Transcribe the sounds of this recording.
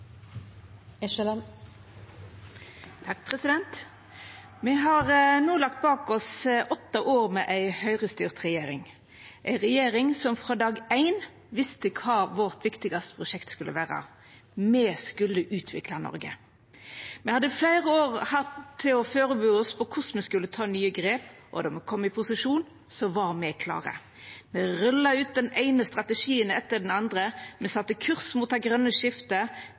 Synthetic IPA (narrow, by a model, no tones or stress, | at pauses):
ɛʃɛlɛn | t̪ʰɑk̚pʰʁɛsɪd̪ɛnt̪ | mɛɦɑːʁənuːlɑk̚t̪̚bɑːkɔsʔɔt̪ːɑʔoːʁmɛʔæɪhœʏʁəst̪yːʁt̪ʁɛjeːɾɪ̰ŋ | ʔæɪʁɛjeːʁɪŋsɔmfʁɑːd̪ɑːɡæɪn | ʋɪst̪əkʰɑːʋɔʁt̪ʋɪkt̪ɪɡɑst̪ə̥pʰʁʊʃɛkt̪skʉlːə̰ʋæːʁɑ̰ | mɛːskʉlːəʔʉːt̪ʰʋɪ̰klɑnɔ̰ɾɡə̰ | mɛhɑd̪ːəflæɪʁəoːʁhɑt̪ʰːɪlɔføːʁəbøːɔspʰɔkʰʊsmɛskʉlːət̪ʰɑːnyːəɡʁeːpʔɔ̰d̪ɔmɛkʰɔmːɪpʰʊsɪʂuːn | sɔʋɑʁmɛkʰlɑ̰ːʁə̰ | mɛʁœlːɑʉːt̪̚d̪ɛnæɪnəst̪ʁɑt̪əʂiːənɛt̪ːəɖɛnɑnd̪ʁəmɛsɑt̪ːəkʰʉʁsmuːt̪̚d̪ɛɡʁœnːəʃɪft̪ə